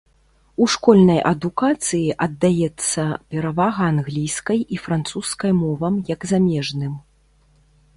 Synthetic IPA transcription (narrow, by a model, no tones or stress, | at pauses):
uʂkɔlʲnɐjʔɐd̪ukat̪sɨjiʔɐd̪ːajɛt̪sːɐpʲɛɾavaɣɐːnɣlʲijskɐjifɾant̪suskɐjmɔvɐmjɐɡzamʲɛʐnɨm